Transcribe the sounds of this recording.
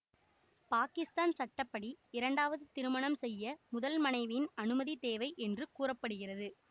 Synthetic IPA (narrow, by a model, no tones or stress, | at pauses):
paːkɪst̪aːnsɐʈːɐpːɐɽiɪɾɐɳɖaːʋɐðɯt̪ɪɾɯmɐɳɐmsɛjːɐmʊðɐlmɐnɐɪʋɪnɐnɯmɐðit̪eːʋɐɪʔɛndrɯkuːrɐpːɐɽɯɣɪrɐðɯ